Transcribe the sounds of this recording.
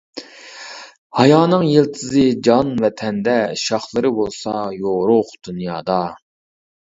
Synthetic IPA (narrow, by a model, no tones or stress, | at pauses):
hɑjɑːnɨŋjelˠt̪ʰɨzɨd͡ʒɑnvɛt̪ʰɛnd̪ɛʃɑχlˠɨɾɨbolˠsɑjoʁɾʊχd̪̥unjɑːd̪ɑ